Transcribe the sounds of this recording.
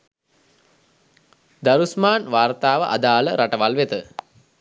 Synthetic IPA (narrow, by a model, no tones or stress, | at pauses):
d̪aɾusmaːnʋaːrt̪aːʋəʔad̪aːləɾaʈəʋalʋet̪ə